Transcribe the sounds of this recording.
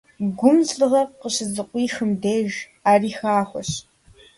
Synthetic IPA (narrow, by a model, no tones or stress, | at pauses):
ɡʷʊmzɮɨʁɐqəɕɪzɨqʷʼiːxɨmdeːʒ | aːriːxaːχʷɔɕ